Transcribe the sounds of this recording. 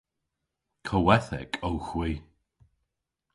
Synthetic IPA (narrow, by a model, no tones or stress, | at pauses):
kʰəwɛθɛ̰kʰowxwiː